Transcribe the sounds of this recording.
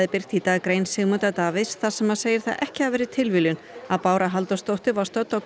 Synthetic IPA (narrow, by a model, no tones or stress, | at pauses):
ðɪpɪr̥t̪it̪aːɣkɾeːjnsɪɣmœt̪at̪aːvɪsθað̥sɛmaðseːjɪɾ̥θa̰ðʔɛ̰hcɪ̥havvɛːɾɪt̪ʰɪlvɪlʏnaðpaːwɾaɦalt̪ast̪owht̪ɪvaɾ̥st̪œt̪ːɔɣ